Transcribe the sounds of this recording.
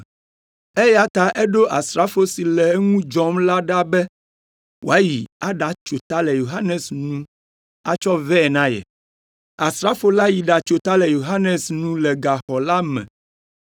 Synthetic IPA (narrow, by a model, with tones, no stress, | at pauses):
e˦ja˦t̪a˨ʔɛ˦ɖo˦ʔa˨sɾa˦fo˦si˨lɛ˨˦ŋũ˦d͡ʒɔ˦mla˦ɖa˦bɛ˦ | wʔo̰˨a˦ji˨a˦ɖa˨t͡ʃo˨t̪a˦lɛ˨jo˨ɦa˦nɛ˨snũ˦ | a˦t͡ʃɔ˦vɛ˦ɛ˨nã˦jɛ̰˨ | a˨sɾa˦fo˦la˦ji˨ɖa˨t͡ʃo˨t̪a˦lɛ˨jo˨ɦa˦ne˨snũ˦lɛ˨ɡa˨xɔ˨la˦mɛ̰̃˨